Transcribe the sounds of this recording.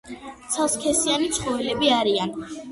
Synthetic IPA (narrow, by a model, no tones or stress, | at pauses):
t̪sʰalˠskʰɛsianit̪sʰχɔvilɛbiaɾian